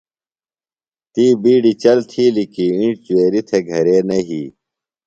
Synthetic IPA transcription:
t̪iːbiːɖit͡ɕɐlt̪ʰiːlikiĩɳʈ̚t͡ɕueːɾit̪ʰeɡʱɐɾeːnɐɦiː

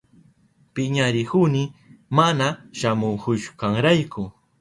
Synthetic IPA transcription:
pɪɲaɾɪhʊnɪmanaʃamʊŋkʊʃʊ̥kaŋɾajkʰʊ

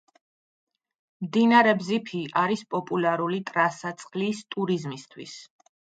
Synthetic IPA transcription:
md̪inaɾɛbzipʰiʔaɾispʼɔpʼulaɾulit̪ʼɾasat̪sʼqʼlist̪ʼuɾizmist̪ʰwis

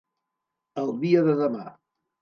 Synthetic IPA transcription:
əlˠðiəðəðəma

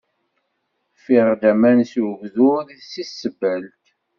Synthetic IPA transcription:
fiʁd̪æmænsuvðʊðsisːəbælt̪

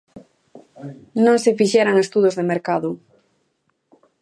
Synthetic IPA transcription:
nõŋsɪfiʃɛɾaŋest̪uð̞ozðemeɾkaðʊ

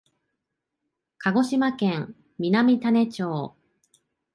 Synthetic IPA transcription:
kʰaɡo̞ɕimakẽŋ | mʲinamʲit̪ane̞t͡ɕoː

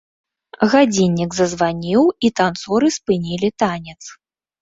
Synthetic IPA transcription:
ɣad͡zʲinʲːiɡzɐzvanʲiwit̪ant̪sɔɾɨspɨnʲilʲit̪anʲɛt̪s

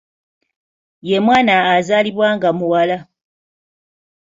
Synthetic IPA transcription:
jemwaːnaːzaliβwaŋɡamuwala

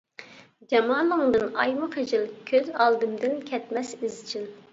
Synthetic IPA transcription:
d͡ʒɛmɑːlˠəŋd̪ɨnɑ̰jmχed͡ʒilkʲʰøzɑlˠd̪ɨmd̪ɪnkʲʰɛt̪mɛsizt͡ʃʰil

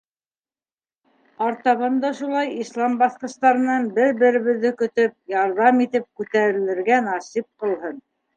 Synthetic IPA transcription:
ɑɾt̪ɑβɤnd̪ɑʃulˠɑjislˠɑmbɑθqɤ̆st̪ɑɾɤ̆nɑnbɘɾbɘ̆ɾɘ̆βɘ̆ðːɘkɵ̆t̪ɵp̚jɑɾðɑmit̪ɘp̚kʉt̪æɾɘ̆lɘ̆ɾɡænɑsip̚qɤ̆lˠɦɤn

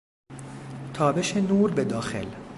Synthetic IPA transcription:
t̪ʰɒːbeʃenuːɾbed̪ɒːxe̞̰l

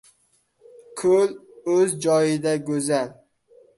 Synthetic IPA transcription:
kʰɵl | ɵzd͡ʒɒjɪd̪aɡɵzal

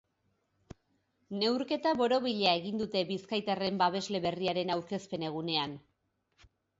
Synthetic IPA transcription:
ne̞wɾke̞t̪aβo̞ɾo̞βiʎeae̞ɣind̪ut̪e̞βiskajt̪are̞mbaβ̞e̞zle̞βe̞riaɾe̞nawɾke̞spe̞ne̞ɣ̞une̞an

